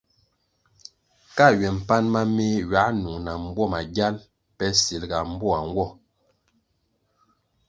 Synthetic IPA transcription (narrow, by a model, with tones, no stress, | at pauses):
ka˦˨ɥɛ˨m̩˨pa˦nma˦me˦ɥa˨˦ʔnu˨ŋna˨m˦bɔ˦˨ma˨ɡja˦l | pɛ˦si˨lɡa˨m̩˦bɔ˦a˨ŋ˦ɡwɔ˦˨